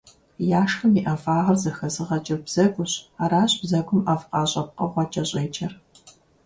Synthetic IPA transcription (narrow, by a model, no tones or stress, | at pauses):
jaːʂxɐmiʔɐfaːʁɐrzɐxɐzɨʁɐt͡ʃʼɪrbz̥ɐɡʷʊɕaːɾaːɕbzɐɡʷʊmafqɑːɕʼɐp̚qɐʁʷɑt͡ʃʼɐɕʼɐjt͡ʃʰʼɐr